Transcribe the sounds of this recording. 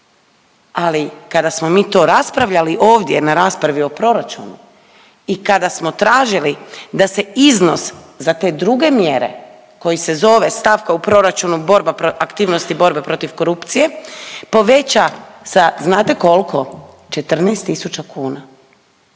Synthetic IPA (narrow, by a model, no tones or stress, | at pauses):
alikad̪asmo̞miːt̪o̞ːɾaspɾaʋʎaliʔoːʋd̪je̞naɾaːspɾaʋio̞pɾo̞ɾat͡ʃṵnṵ | ikad̪asmo̞t̪ɾaːʒilid̪ase̞izno̞s | zat̪e̞ːd̪ɾuɡe̞mje̞ɾḛ | ko̞jise̞zo̞ʋe̞st̪aʋkaupɾo̞ɾat͡ʃunubo̞ɾbapɾoakt̪iːʋno̞st̪ibo̞ɾbe̞pɾo̞t̪iʋko̞ɾupt̪sije̞po̞ʋe̞t͡ɕasaznaːt̪e̞ko̞lˠkʰo̞ | t͡ʃe̞t̪r̩nɛːst̪ːisut͡ʃakuːna